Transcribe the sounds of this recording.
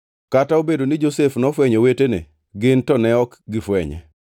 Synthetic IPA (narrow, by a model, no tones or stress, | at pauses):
kataobedonɪd͡ʒosefnɔfwɛɲɔwetenḛ | ɡɪntɔnɛɔkɡɪfwɛɲɛ̰